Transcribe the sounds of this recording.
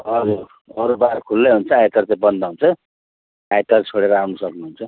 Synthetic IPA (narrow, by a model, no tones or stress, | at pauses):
ʌd͡zu | ʌɾubaɾkʰulːeɦunt͡sʰʌajt̪ʌrtebʌnd̪aɦunt͡sʰʌ | ajt̪ʌrt͡sʰoɽeɾʌawnusʌknuɦunt͡sʰʌ